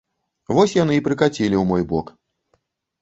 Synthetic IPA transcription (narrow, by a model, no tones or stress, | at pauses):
vɔsʲjan̪ɨipɾɨkat͡sʲilʲiwmɔjbɔk